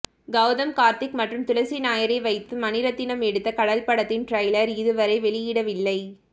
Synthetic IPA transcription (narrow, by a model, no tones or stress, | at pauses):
ɡɐʋðɐmkaːɾt̪ɪkmɐʈrɯmt̪ʊlɐsinaːjɐɾɐɪʋɐɪt̪ːɯmɐnɪɾɐt̪ːɪnɐmɛɽɯt̪ːɐkɐɽɐlpɐɽɐt̪ːɪnʈrɐɪlɐɾɪðɯʋɐɾɐɪʋɛɭɪjɪɽɐʋɪlːɐɪ